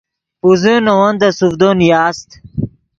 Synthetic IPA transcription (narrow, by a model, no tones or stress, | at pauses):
uzenɐwɐnd̪ɐsufd̪onjaːst̪